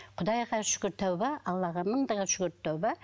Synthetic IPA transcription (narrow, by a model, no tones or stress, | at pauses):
qʰʊd̪ɑjʁɑʃʏ̥kʲɪɾt̪ʰːawbɑɑlˠːɑʁɑməɴd̪əʁɑʃʊɡʲʏɾt̪ʰːɑwbɑ